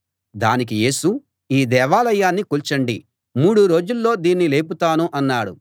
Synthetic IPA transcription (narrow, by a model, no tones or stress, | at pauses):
d̪aːnik̬ije̞ːsu | iːd̪ɛːʋaːlɐjaːnːikuːlt͡ʃɐɳɖi | muːɽuɾo̞ːd͡ʒulːo̞ːd̪iːnːile̞ːp̬ut̪aːnuʔɐnːaːɽu